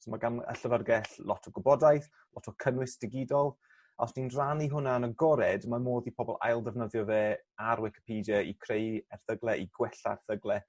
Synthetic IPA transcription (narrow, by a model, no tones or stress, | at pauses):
sɔmaɡanə̰ɬəvərɡɛɬlˠɔtʰɔɡʊbɔdajθ | lˠɔtʰɔkʰənwɪsd̥ɪɡɪdɔlˠ | a̰wsninraniɦʊnaənəɡɔɾɛdmamoːðipʰɔbɔlˠa̰jlˠdəvnəðjɔveː | aɾwɪkʰɪ̥pʰiːdjəḭkʰrejɛrθəɡlˠɛʔiɡwɛɬa̰rθəɡlˠɛ